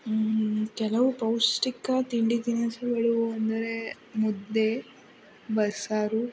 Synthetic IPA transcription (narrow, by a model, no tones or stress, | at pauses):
kɛlɐʋupɐwsʈikːɐt̪iɳɖit̪inɐsɐʋeɭuʋuɐnd̪ɐɾe | mud̪ːe | bɐsaːɾu